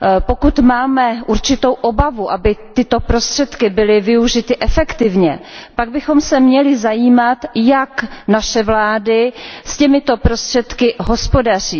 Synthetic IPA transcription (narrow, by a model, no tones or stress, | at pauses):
po̞kut̪maːmɛʔuɾt͡ʃɪt̪o̞wʔo̞bavuʔabɪt̪ɪt̪o̞pɾo̞st̪r̥ɛt̪kɪbɪlɪvɪuʒɪt̪ɪʔɛfɛkt̪ɪvɲɛ̰paɡ̚bɪxo̞msɛmɲɛlɪzajiːmat̪jaknaʃɛvlaːdɪscɛmɪt̪o̞pɾo̞st̪r̥ɛt̪kɪɦo̞spo̞dar̝iː